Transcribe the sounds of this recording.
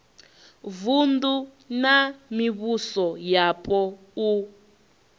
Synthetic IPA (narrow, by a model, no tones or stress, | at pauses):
vundu | namiβusɔjapʰʼɔ | u